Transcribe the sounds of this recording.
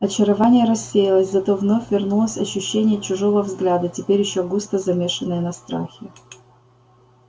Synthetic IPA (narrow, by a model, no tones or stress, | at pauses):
ɐt͡ɕɪɾɐvanʲɪjəɾɐsʲːejɪlˠəsʲzɐt̪o̞vno̞fʲvʲɪrnulˠəsʲɐɕːʉɕːenʲɪjət͡ɕʊʐo̞vəvzɡlʲad̪ətʲɪpʲeɾʲjɪɕːoɡust̪əzɐmʲeʂɨnːɨjənɐst̪ɾa̰xʲɪ